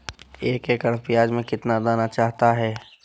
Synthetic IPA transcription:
eːkeːkɐɾpijaːd͡ʒmẽkɪt̪nad̪aːnat͡ʃaːɦt̪aɦɛː

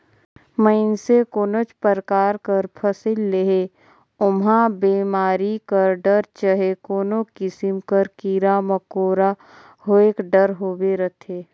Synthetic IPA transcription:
məɪnsekoːnət͡ʃpəɾkaːɾkəɾpʰəsɪlːeɦe | ʊmɦãbeːmaːɾikəɾɖəɾt͡ʃəɦekoːnokɪsɪmkəɾkiːɾaməkoːɾa | hoːeːkɖəɾɦoːbeɾət̪ʰeː

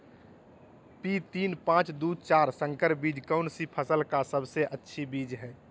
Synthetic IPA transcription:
pit̪iːnpãt͡ʃd̪uːd̪̚ʱt͡ʃaːɾsə̃ŋkəɾbiːd͡ʒkɔʊnsipʰəsəlkasəbseʔətːʃʰibiːd͡ʒɦɛː

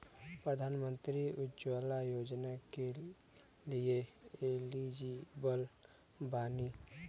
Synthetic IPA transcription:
pɾəd̪ʱaːnmə̃nt̪ɾiʊd͡ʒwəlajoːd͡ʒnake | lieelid͡ʒibəl | baːni

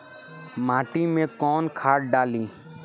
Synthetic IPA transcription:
maːʈimẽkɔːnkʰaːʈɖaːlĩː

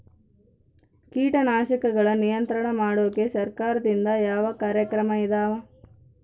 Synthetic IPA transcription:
kiːʈɐnaːʃɐkɐɡɐɭɐnijɐnt̪ɾɐɳɐmaːɽoːɐkesɐɾkaːɾɐd̪ind̪ɐjaːʋɐkaːɾjɐkɾɐmɐid̪aːʋɐ

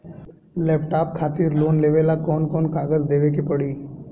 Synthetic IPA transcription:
lɛːpʈaːp̚kʰaːt̪iɾloːnleːʋelakɔːnkɔːnkaːɡəzd̪eːʋek̬ipəɽiː

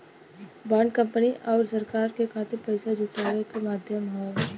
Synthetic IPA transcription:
bãːɳɖkə̃mpəniʔɔːɾsɐɾkaːɾkekʰaːt̪eɾpɐɪsed͡ʒʊʈaːʋekemaːd̪ʱjəmɦɛː

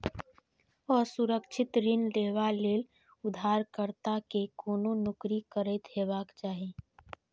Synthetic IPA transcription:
ɔːɾsuɾəkʃʰɪt̪ɾɪnleːʋaleːl | ʊd̪ʱaːɾkəɾt̪akekoːnonʊkɾikəɾət̪ɦeːbaːkt͡ʃaːɦi

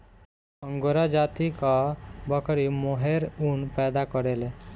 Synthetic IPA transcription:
əŋɡoɾad͡ʒat̪ikɔbʌkɾimoɦeɾunpɛd̪akɔɾele

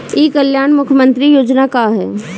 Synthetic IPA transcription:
iːkəljaːnmʊkʰjəmə̃nt̪ɾijoːd͡ʒnakaɦɛ̰ː

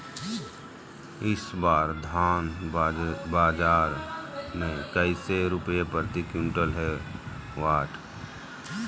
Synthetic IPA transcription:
ɪsbaːɾd̪ʱaːn | baːd͡ʒaːɾmẽkəɪseɾʊpjepəɾt̪ikjʊ̃ɳʈəlɦɛ | waːʈ

